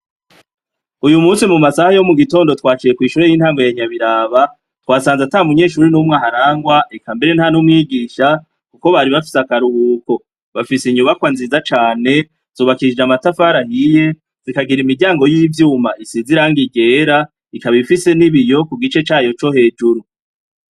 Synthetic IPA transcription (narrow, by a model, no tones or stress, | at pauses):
ujumuːsimumasahajo̞muɡito̞ːndo̞twaːt͡ʃije̞kwiːʃuɾejinhaːŋɡo̞jaɲaβiɾaːβa | twaːsaːnzatamuɲe̞ːʃuːɾinumŋaːɦaɾaːŋɡwaekambe̞ɾe̞nhanumŋiːɡiːʃa | kuko̞βaɾiβafi̥sakaɾuuːko̞ | βafisiɲuβakwanziːzat͡ʃaːne̞ | z̥uːβakiid͡ʒamatafaːɾahije̞ | z̥ikaɡiɾimiɾɟaːŋɡo̞jiːvjuːmaisiziɾaːŋɡiɡe̞ːɾa | ikaβifise̞niβijo̞kuɡit͡ʃe̞t͡ʃaːjo̞t͡ʃo̞he̞ːd͡ʒuɾu